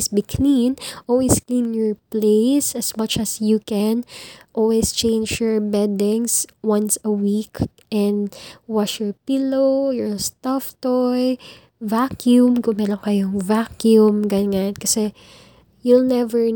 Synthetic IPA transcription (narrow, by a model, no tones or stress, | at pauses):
sbikʰlinʔolwisklĩnjɔɹpleɪsɐsmɐt͡ʃɐsjukɛnʔolwist͡ʃẽɪnd͡ʒjɔɹbɛd̪ɪŋswɐ̃nsɐwik | ʔɛ̃nd̪waʃjɔɹpɪlojɔɹst̪aft̪ɔj | vakjumkʊŋmɛɾoŋkɐjoŋvakjumɡɐnŋankɐsɛ | julnɛvɛɹ